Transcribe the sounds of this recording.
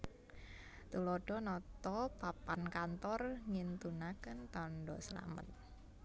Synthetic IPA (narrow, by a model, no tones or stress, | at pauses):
t̪ulɔɖ̥ɔnɔt̪ɔpapankant̪ɔrŋint̪unakənt̪ɔnɖɔsəla̰mə̰t̪̚